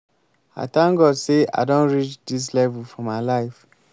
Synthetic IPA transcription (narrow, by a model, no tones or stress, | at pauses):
a̰tãŋɡɔdsea̰ɪdõnɹit͡ʃdis̬lɛvufɹɔ̃maɪlaɪf